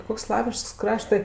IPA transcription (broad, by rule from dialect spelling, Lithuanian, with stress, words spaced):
ˈkoːks ˈslˠɑːʋʲɪʃkɐs ˈkrɑːʃtɜ